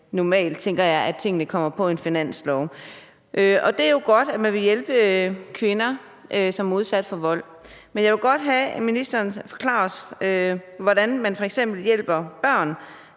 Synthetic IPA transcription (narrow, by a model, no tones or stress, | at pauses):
nɒmɛ̰ːld̥̚t͡sʰeŋɡ̥ɐjɑ̈ɪʔæt͡sʰe̝ŋ̰ənəkʰɒ̽m̰ɐpʰɒ̽e̝nfinæn̰slɒʊ | ʔøʔɒ̽d̥e̝æɐjo̝ɡ̥ɒ̽d̥æmænʋe̝jelb̥əkʰʋe̝nɐ | ʔøsɒ̽mæɐuð̞ˠsæd̥fɒ̽ʋɒ̽l̰ | menjɑ̈ʋe̝ɡ̥ɒ̽d̥ɦæminisd̥ɐːnfɒ̥̽kʰlɑ̈ːɒsøʋɒɾænmænfɒ̽eɡ̥sem̰b̥l̩jel̰b̥ɐb̥ɶɐ̰n